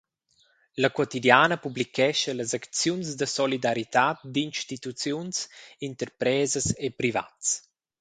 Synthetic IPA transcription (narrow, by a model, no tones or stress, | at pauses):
ləkwɔt̪id̪jaːnəpublikʰɛʃələzakt͡sjunsd̪əsɔlid̪aɾit̪at̪̚d̪inʃt̪it̪ut͡sjunsint̪ərpɾɛːzəsepɾiva̰tt͡s